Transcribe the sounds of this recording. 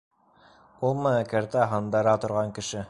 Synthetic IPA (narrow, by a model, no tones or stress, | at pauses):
ulˠmæ̆ækæɾt̪æɦɤ̆nd̪ɑɾɑt̪ŏɾʁɑŋkɘ̆ʃɘ